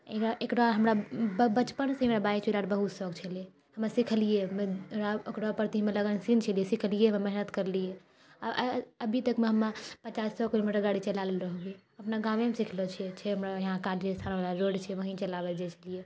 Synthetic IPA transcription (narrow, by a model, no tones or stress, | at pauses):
ekɾaʔekɽaɦəmɾabbət͡ʃpənsẽɦimeɾabajt͡ʃʰilaɾbəɦut̪sɔɡt͡ʃʰəle | həmasikʰəlijemeɾaekɽapəɾt̪imeləɡənsint͡ʃʰəlijesikʰəlijememɛɦinət̪kəɾlije | aəbʱit̪əkmeɦəmːapət͡ʃasːɔkilomiʈəɾɡaɽit͡ʃəlalelɾəɦoɡe | əpnaɡãʋemesikʰlɔt͡ʃʰɛet͡ʃʰɛɦəmɾajəɦãkald͡ʒest̪ʰanbalaɾoɖt͡ʃʰɛʋəɦĩt͡ʃəlaβɛd͡ʒɛt͡ʃʰəlije